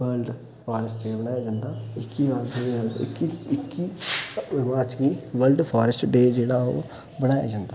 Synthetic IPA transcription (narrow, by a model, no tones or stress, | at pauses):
ʋəlɖ | pʰaːɾəsʈt͡ʃeːbəɽaːjaːd͡ʒãːnd̪aːɪkːiʋaːɾt̪ʰea̰ɪkːiɪkːiːʋɪmaːɾt͡ʃɡiːʋəlɖpʰaːɾəsʈɖeːd͡ʒeːɽaːo̰ː | bəɽ̃aːja̰ːd͡ʒãːnd̪aː